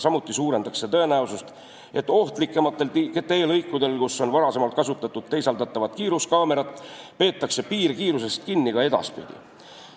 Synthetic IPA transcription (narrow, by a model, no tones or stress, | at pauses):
sɑmut̪ˑːisuːɾe̞nd̪ɑkse̞t̪ɤ̞e̞næusust̪ | e̞t̪ːˑo̞ht̪likːˑe̞mɑt̪ːˑe̞lt̪ket̪ːˑeeːlɤjkːˑud̪e̞lkusːo̞nvɑɾɑse̞mɑlt̪̚kɑsut̪ːˑɑt̪ːˑud̪̥̚t̪e̞jsɑld̪ɑt̪ːˑɑvɑt̪ˑkiːɾuskɑːme̞ɾɑt̪ːˑpe̞ːt̪ːˑɑkse̞piːɾkiːɾus̬e̞st̪̚kinːikɑe̞d̪ɑ̰spḭd̪̥ʲḭ